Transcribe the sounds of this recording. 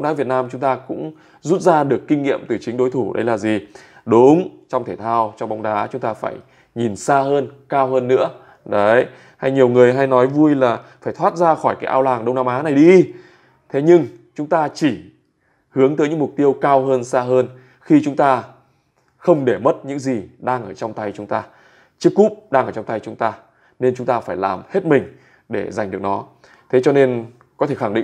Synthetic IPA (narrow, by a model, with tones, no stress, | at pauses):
ŋ͡mɗaː˨˦vi˨˩ət̚naː˧mt͡ɕʊ˨˦ŋ͡mt̪aː˧kʊ̰˧˥ŋ͡m | zu˦˥t̚zaː˧ɗɨ˨˩əkːï˧ŋ̟ŋḭ˧˨əmt̪ɨ˨˩t͡ɕï˨˦ŋ̟ɗo˨˦jt̪ʰu˧˩ɗə̰˨˦jlaː˨˩zi˨˩ | ɗʊ˨˦ŋ͡mt͡ɕɔ˧ŋ͡mt̪ʰe˧˩t̪ʰaː˧wt͡ɕɔ˧ŋ͡mɓa˨˦wŋ͡mɗaː˨˦t͡ɕʊ˨˦ŋ͡mt̪aː˧fa̰ː˧˩j | ɲi˨˩nsaː˧ɦəː˧nkaː˧wɦəː˧nːɨ̰˧˥ə | ɗə˨˦j | ha˧jɲi˨˩əwŋɨ˨˩əjɦa˧jnɔ˨˦jvu˧əjlaː˨˩faː˧˩jt̪ʰwaː˦˥t̚zaː˧xɔ˧˩jkaː˨˦jʔaː˧wlaː˨˩ŋɗə˧wŋ͡mnaː˧mʔaː˨˦na˨˩jɗi˧ | t̪ʰe˨˦ɲɨ˧ŋt͡ɕʊ˨˦ŋ͡mt̪aː˧t͡ɕi˧˩ | hɨ˨˦əŋt̪əː˨˦jɲɨ̰˧˥mʊ˨˩k͡p̚t̪i˧əwkaː˧wɦəː˧nsaː˧ɦəː˧n | xi˧t͡ɕʊ˨˦ŋ͡mt̪aː˧ | xə˧wŋ͡mɗe˧˩mə˦˥t̚ɲɨ̰˧˥ŋzi˨˩ɗaː˧ŋʔəː˧˩t͡ɕɔ˧wŋ͡mt̪a˧jt͡ɕʊ˨˦ŋ͡mt̪aː˧ | t͡ɕɨ˦˥kːu˦˥p̚ɗaː˧ŋʔəː˧˩t͡ɕɔ˧ŋ͡mt̪a˧jt͡ɕʊ˨˦ŋ͡mt̪aː˧ | ne˧nt͡ɕʊ˨˦ŋ͡mt̪aː˧faː˧˩jlaː˨˩mhe˦˥t̚mï˨˩ŋ̟ | ɗe˧˩za˨˩ŋ̟ɨ˨˩ək̚nɔ˨˦ | t̪ʰe˨˦t͡ɕɔ˧ne˧n | kɔ˨˦t̪ʰe˧˩xa˧˩ŋ˩ɗḭ˧˨